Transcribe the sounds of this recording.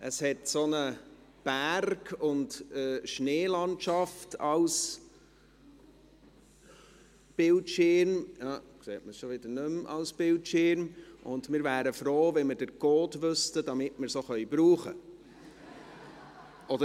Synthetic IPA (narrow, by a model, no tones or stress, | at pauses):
ʔəshɛtsonə | b̥ærɡʊntəʃneːlɑntʃɑftɑls | b̥ɪltʃɪɾmjɑːkseːtməsʃoʋɪd̥ənʉmɑ̰lsb̥ɪltʃɪɾmʔʊndmɪːɾvæːɾəfɾoːvɛnmədəɾɡoːtʋʏstədɑmɪtmɪɾsoχœʏbɾuːχə | ʔɔdə